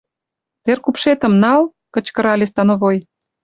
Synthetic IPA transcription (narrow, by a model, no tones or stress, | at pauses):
t̪erkupʃet̪ə̆mnɑl | kə̆t͡ɕkɤ̆ɾɑlʲest̪ɑnoβoj